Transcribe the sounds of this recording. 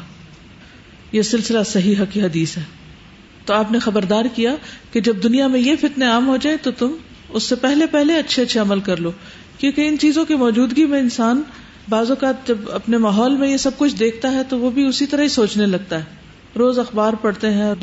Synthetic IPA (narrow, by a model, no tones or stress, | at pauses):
jesɪlsɪlasɐɦiɦɐkiɦɐd̪iːsɦɛː | t̪oaːpnexɐbəɾd̪aːɾkijaked͡ʒɐb̚d̪ʊnijamẽjefɪt̪neaːmɦod͡ʒaːẽt̪ot̪ʊm | ʊsːepɛɦlepɛɦleɐtːʃʰeɐtːʃʰeɐməlkɐɾloː | kjõːkeɪnt͡ʃiːzõkimɔːd͡ʒuːd̪ɡimẽɪnsaːn | baːzokaːt̪̚d͡ʒɐbɐ̰pnemaːɦɔːlmẽjesɐb̚kʊt͡ʃʰd̪eːkʰt̪aɦɛt̪oʋobʱiʊsit̪ɐɾaɦisoːt͡ʃnelɐɡ̚t̪aɦɛː | ɾoːzɐxbaːɾpɐɽt̪eɦɛ̃